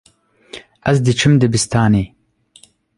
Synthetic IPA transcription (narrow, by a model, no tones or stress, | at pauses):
ɐzd̪ɨt͡ʃʰɨmd̪ɨbist̪ʰaːneː